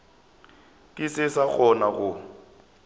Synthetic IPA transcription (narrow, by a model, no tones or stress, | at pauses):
kʼɪsɪsak͡xʰɔnaɣʊ